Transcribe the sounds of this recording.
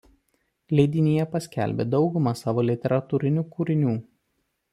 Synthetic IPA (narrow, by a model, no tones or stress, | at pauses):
lʲɛɪd̪ʲɪnʲijɛpɐsʲkʲæ̰ˑlʲbʲḛːd̪ɒʊɡʊmɑsɑːʋoːlʲɪt̪ʲɛɾɐt̪uːɾʲɪnʲuːkuɾʲɪnʲuː